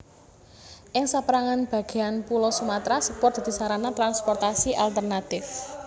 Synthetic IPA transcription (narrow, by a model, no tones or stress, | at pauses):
ʔɪŋsapɾaŋanb̥a̤ɡ̥e̤anpulɔsumat̪ɾasəpɔrd̪̥ad̪̥i̤saɾanat̪ɾanspɔrt̪asiʔalt̪ərnat̪ɪf